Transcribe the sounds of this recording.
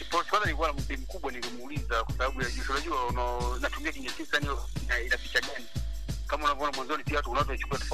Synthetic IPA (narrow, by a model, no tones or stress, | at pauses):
ipɔsikwanzaniikuwanamuɓim̩kuɓwanilimuulizakwasaɓaɓujaʄusunaʄuaunanatumiakiɲɛkisaniɔinainapit͡ʃaɡani | kamaunavɔɔnamwanzɔnipiawatuunawatɔt͡ʃu̥kuatɔf